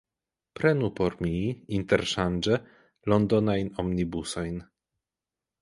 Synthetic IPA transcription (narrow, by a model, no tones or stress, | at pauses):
pɾɛnupɔɾmʲiint̪ɛɾʃand͡ʒɛ | lɔnd̪ɔnajnɔmnʲibusɔjn